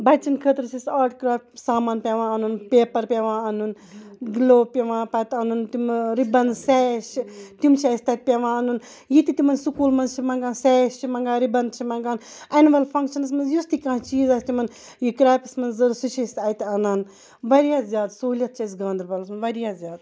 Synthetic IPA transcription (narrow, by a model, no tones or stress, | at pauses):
bɐt͡ʃɐnkʰəːt̪ɾsʰisaːɾʈkɾaːfʲsaːmaːnpʲaʋãːɐnunpeːpɐɾpʲeʋãːɐnun | ɡloːpʲeʋãːpɐt̪ɐnunt̪umɾibɐnsɛʃit̪umt͡ʃʰɐsʲt̪ɐt̪̚pʲeʋãːɐnun | jit̪it̪imɐnsukuːlmɐnzt͡ʃʰimɐŋɡaːsɛːst͡ʃʰimɐŋɡaːɾibɐnt͡ʃʰimɐŋɡaːn | ɐnʋɐlpʰɐŋkʃɐnɐs̬mɐnjust̪ikãːt͡ʃiːzɐst̪imɐn | jikɾaːpʲismɐnzɐɾsut͡ʃʰɐsɐjt̪ɐnaːn | ʋɐɾijaːzʲjaːd̪soːlʲjɐt̪̚t͡ʃʰɐsɡãːnd̪ɾbɐlɐsmɐnʋɐɾjaːzʲjaːd̪